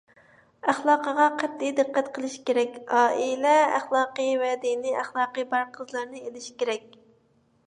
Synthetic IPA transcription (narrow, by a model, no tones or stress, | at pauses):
æχlˠɑːqəʁɑqʰɛt̪ʰːid̪ɨqʰːæt̪qʰəlˠɨʃkʲeɾɛkʲɑːilɛæ̰χlˠɑːqəjvɛd̪iniæχlˠɑːqəbɑɾqʰəzlˠɑɾnɨelɪʃkʲeɾɛk̚ʲ